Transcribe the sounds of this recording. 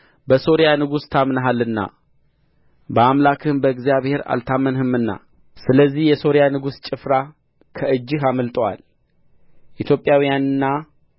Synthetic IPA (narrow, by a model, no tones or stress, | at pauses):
bəso̞ɾjanɨɡust̪ʰamnəɦalːɨnːa̰ | bəamlakʰɨnbəɨɡzijaβhe̞ɾa̰lt̪ʰamːənhɨmɨnːa̰ | sɨləzːihjɛso̞ɾjanɨɡust͡ʃʼɪfɾa | kʰəʔɨd͡ʒːɪɦaməlt̪ʼəwa̰l | ʔit̪ʰjo̞pʼjawijanɨnːa